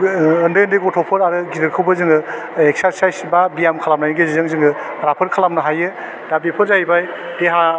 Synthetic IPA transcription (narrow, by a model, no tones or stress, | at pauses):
ndɯjɯndɯjkɔtʰɔpʰɯɾaɾɯɡidɯɾkʰɯwbɯzɯŋɯ | ek̚saɾsajsbabijamkʰalamnajnɯɡezzɯŋzɯŋɯ | ɾapʰɯɾkʰalamnɯɦajɯ | d̥abipʰɯzajbaj | d̥eɦa